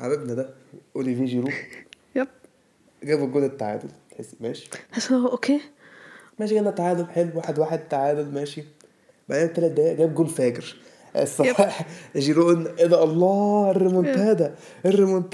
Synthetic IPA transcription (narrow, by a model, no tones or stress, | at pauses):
ʕa̰ɾebnæd̪æʔoliviːʒiɾuːʔ | jb | ɡæːbeɡoːlet̪ːaʕa̰ːd̪olt̪ħesːmæːʃi̥æsoʔokeː | mæːʃiɡæenæt̪ːaʕaːd̪olħelwwaːħed̪waːħed̪̚t̪ːaʕaːd̪olmæːʃi | baʕd̪æːæt̪ːælæt̪̚d̪æjæʔɡæːbɡolfæːkɾ | sˤːɑɑħʒiɾoʔnʔenæʔɑlˤːɑːʔerːemont̪æd̪æʔerːemont̪